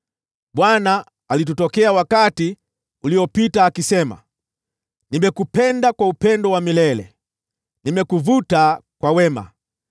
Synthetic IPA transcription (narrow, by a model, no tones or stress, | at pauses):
ɓwanaː | lit̬utɔkɛawakati | uliɔpitaːkisɛma̰ | nimbɛkupɛndakwaupɛndɔwamilɛlɛ̰ | nimɛkuvutakwawɛma̰